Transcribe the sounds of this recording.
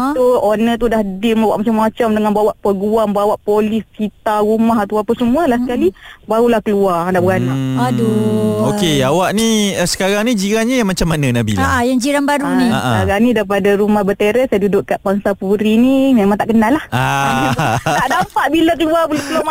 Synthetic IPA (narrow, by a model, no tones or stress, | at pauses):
suonə̃t̪udahdimawaʔmat͡ʃamːat͡ʃamdəŋanbawaʔpəɡuaŋbawaʔpolisːit̪aɾumaɦat̪awapəsəmualahsəkalibaɾulahkəluaradaʔbəɣanadookeawaʔnisə̥kaɾaŋnid͡ʒiɾanɲajaŋmat͡ʃamːanənabḭlaajaŋd͡ʒiɾanbaɾuniaʔaɾanidaip̬adaɾumahbət̪eɾɛsajadudʊʔkaʔbaŋsapuɾinimemãŋt̪aʔkənalːahaaaaʔdampaʔbilak̬əluarbəlokəla